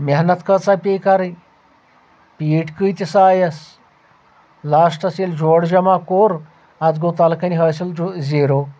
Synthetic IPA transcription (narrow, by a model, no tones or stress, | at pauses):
meɦnɐt̪kət͡sapʲekaɾɨj | piːʈkɨjt̪ʲisaːjɐs | lasʈɐseld͡ʑoɽd͡ʑɐmakoɾ | ad͡zɡot̪alkɐniɦəsild͡ziɾo